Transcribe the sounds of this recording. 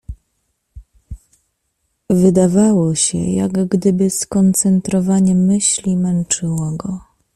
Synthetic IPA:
vɘd̪avawɔɕɛ̰ja̰ɡɡd̪ɘbɘskɔnt̪sɛnt̪ɾɔvaɲɛmɘɕlʲimɛnt͡ʂɘwɔɡɔ

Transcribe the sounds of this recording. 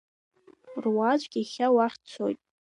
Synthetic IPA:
rwad͡ʒʷʼɡʲiχʲawaχʲt͡sʷʰo̰jtʼ

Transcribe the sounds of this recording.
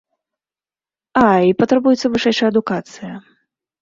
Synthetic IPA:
aipɐt̪ɾɐbujɛt̪sːɐvɨʂɛjʂɐjɐd̪ukat̪sɨjɐ

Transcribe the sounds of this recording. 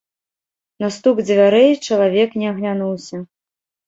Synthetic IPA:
nast̪uɡd͡zʲvʲaɾɛjt͡ʂɐlˠavʲɛknʲɛɐɣlʲanuwsʲɐ

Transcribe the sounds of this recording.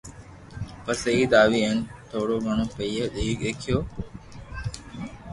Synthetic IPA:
pəsəiːd̪aːʋiːent̪ʰoːɽoːɡʱəɳ̃õːpəiːɦəd̪iːkeːkʰɪjoː

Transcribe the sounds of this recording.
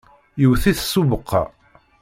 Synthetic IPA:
jəwθiθsuvəqʰːɑ̰

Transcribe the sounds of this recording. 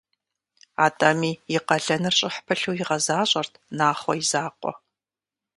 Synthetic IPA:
aːtʼamiːjɪqɐɮɐnɨrɕʼɪħpʰɨɬuːjɪʁɐzaːɕʼɐrtʰnaːχʷɔjizaːqʷʼɔ̰

